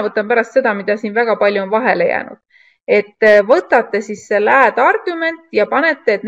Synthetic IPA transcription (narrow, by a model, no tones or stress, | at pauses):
vɤt̪ːˑɑmpæɾɑst̪se̞d̪̥ɑmid̪̥ɑsiːnvæɡ̥ɑpɑlʲjuonvɑɦe̞le̞jæ̰ːnṵd̪̥ | e̞t̪ːvɤt̪ːˑɑt̪ˑːe̞sisːelæːd̪̥ɑrɡ̥ume̞nt̪ːˑjɑpɑne̞t̪ːˑe̞ːt̪n